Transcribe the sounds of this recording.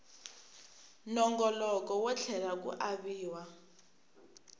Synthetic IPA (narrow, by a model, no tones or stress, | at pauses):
nɔŋɡɔlɔkɔwɛt͡ɬʰɛlak̬ṵʔaβiːwa